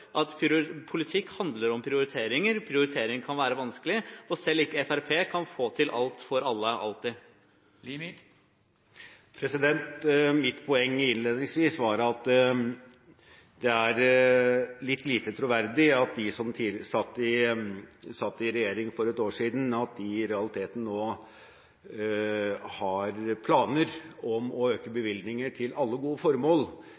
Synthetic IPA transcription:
ʔɑt̪pʰʊlɪt̪ʰɪkːhɑnd̪ləɾɔmpʰɾɪʊɾɪt̪ʰeːɾɪŋəɾpʰɾɪʊɾɪt̪ʰeːɾɪŋəkʰɑnʋæːɾəʋɑnskəlɪɔsɛlːɪkːəɛfæɾpʰeːkʰɑnfoːt̪ʰɪlʔɑ̰lt̪fɔɾɑlːəʔɑ̰lt̪ɪ | pʰɾɛsɪd̪ɛnt̪mɪt̪pʰʊɛŋːɪnleːd̪nɪŋsʋiːsʋɑɾɑt̪ | d̪ɛæɾ | lɪt̪ːliːt̪ət̪ʰɾʊʋæɾd̪ɪɑt̪̚d̪ɪsɔmt̪ʰiːsɑt̪ːɪ | sɑt̪ːɪɾɛjeːɾɪŋfɔɾɛt̪oːʂiːd̪n̩ɑt̪̚d̪ɪɾɛɑlɪt̪ʰeːt̪n̩nːoː | hɑɾpʰlɑːnəɾɔmɔøːkəbəʋɪld̪nɪŋəʈʰɪlɑlːəɡuːəfɔɾmoːl

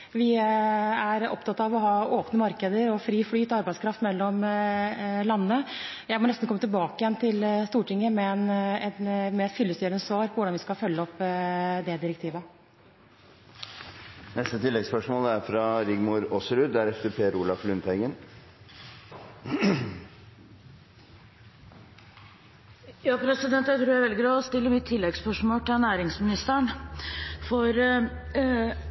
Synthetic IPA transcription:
ʋɪ | æɾɔ̰pt̪ʰɑt̪ːɑɑʋɔɦɑːʔoːpnəmɑɾkəd̪əɾɔfɾiːflyːt̪ɔɑɾbæɪskʰɾɑft̪mɛlːɔm | lɑnːənə | jæɪmɔnɛst̪n̩kʰɔmːət̪ɪlbɑːkəjɛnt̪ʰɪlst̪uːʈɪŋːəmɛnɛt̪mɛɛt̪fʏlːəst̪yːɾənəsʋɑːɾpʰɔʋʊɖɑnʋɪskɑfœlːəɔpːd̪ɛd̪ɪɾɛk̚t̪ʰiːʋə | nɛst̪ət̪ʰɪlːɛɡspœʂmoːlɛæɾfɾɑɾɪɡmʊɾɔsəɾʉd̪æɾɛft̪əɾpʰeːɾuːlɑflʉnt̪ɛɡən | jɑːpʰɾɛsɪd̪ɛnt̪jæɪt̪ʰɾuːɾæʋɛlɪɡɾɑːɔst̪ɪlːəmɪt̪ʰːɪlːɛɡspœʂmoːlʈ̪ɪnæːɾɪŋsmɪnɪst̪əɳ | fɔɾ

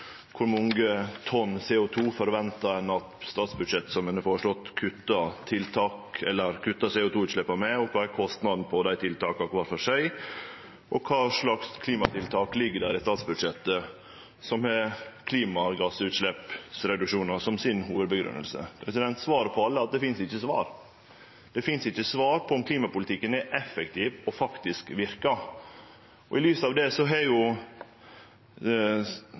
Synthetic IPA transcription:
kʰʊɾmɔŋɡət̪ʰɔnsɛːʊt̪ʰuːfɔɾʋɛnt̪ɑɛnɑt̪st̪ɑːt̪sbʉd̪ʂɛt̪ːəsɔmɛnːəfɔːɾəʂɭɔt̪ːkʰʉt̪ːɑt̪ʰɪlt̪ʰɑːkɛlːəɾkʰʉt̪ːɑseːʊːt̪uːʉːt̪ʂɭɛpːɑmɛɔkʰɑːæɾkʰɔst̪nɑd̪n̩pʰɔd̪æɪt̪ʰɪlt̪ɑːkɑkʰʋɑːɾfɔʂæɪ | ʔɔkʰɑːʂɭɑkskʰliːmɑt̪ɪlt̪ʰɑːklɪɡːəɖæːɾɪst̪ɑːt̪sbʉd̪ʂɛt̪ːə | sɔmɛkʰliːmɑɡɑsʉːt̪ʂlɛpsɾɛd̪ʉkʂuːnəɾsɔmsɪnɦuːʋəd̪̚bəɡɾʉ̰nːə̰lsə̰pʰɾɛsɪd̪ɛnt̪sʋɑːɾəpʰɔɑlːəɑt̪̚d̪ɛfɪnsɪçːəsʋɑ̰ːɾ | d̪̥ɛfɪnsɪçːəsʋɑːɾpʰɔɔmkʰliːmɑpʊlɪt̪ɪkːənɛʔɛfɛkt̪ʰiːʋɔfɑkt̪ɪskʋɪɾkɑ | ɔɪlyːsɑːʋd̪ɛsɔɦɛɾjʊ

